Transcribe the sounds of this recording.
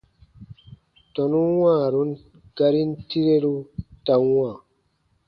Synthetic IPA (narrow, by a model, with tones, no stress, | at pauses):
tɔ˨nu˦wa˦˨ɾu˦n | ɡa˧ɾi˦n˦ti˦ɾe˦ɾu˦ta˨˦waː˦˨